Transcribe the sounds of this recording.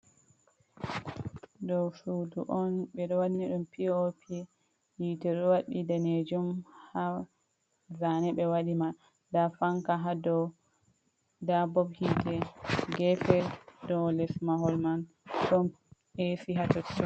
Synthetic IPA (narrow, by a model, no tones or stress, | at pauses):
dɔwsuduʔɔnɓɛɗɔwadiniɗumpʰiɔpʰi | jitɛɾwaɗidaned͡ʒumha | zanɛɓɛwaɗima | dafaŋkaɦadɔw | dabɔbhidɛɡɛfɛɾdɔwlɛsmaɦɔlman | ɗɔm | esiɦatɔtɔ